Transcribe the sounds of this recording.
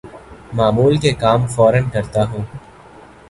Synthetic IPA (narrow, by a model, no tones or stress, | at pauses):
maːmuːlkekaːmfɔːɾənkɐɾt̪aɦũː